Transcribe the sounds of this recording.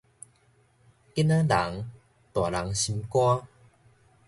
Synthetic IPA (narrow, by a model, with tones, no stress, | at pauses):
ki˦˥nã˦la̰˨˦ŋ | t̪wa˨˩la˨˦ŋɕi˧mkwa˦